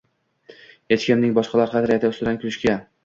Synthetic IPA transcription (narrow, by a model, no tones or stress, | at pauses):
jet͡ʃkʲɪmnɪŋbɒʃqɑlaɾqɑd̪ɪɾjat̪ʰaʊst̪ʊd̪ankʲʰʊlɪʃkʲa